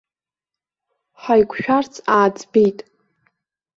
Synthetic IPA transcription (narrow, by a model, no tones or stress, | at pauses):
ħajkʷʰʼʃᶣart͡sʰʼaːd͡zbejtʼ